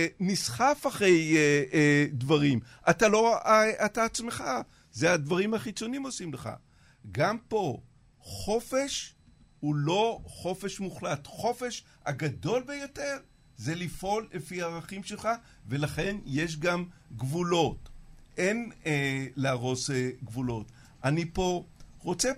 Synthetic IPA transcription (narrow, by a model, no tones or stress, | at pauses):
nisχafaχʁe̞jedvaʁim | ʔatalo̞ataːt͡smeχa | zead̪vaʁimhaχit͡so̞nimo̞simleχa̰ | ɡampo̞ | χo̞fe̞ʃ | hulo̞χo̞fe̞ʃmuχlat̪χo̞fe̞ʃ | aɡad̪o̞lbe̞jote̞ʁ | zelifʔo̞lːefiaːʁaχimʃelχa | ve̞laχe̞nje̞ʃ̬ɡamɡvulo̞tʔeneleaʁo̞seɡvulo̞t | anipo̞ʁo̞t͡se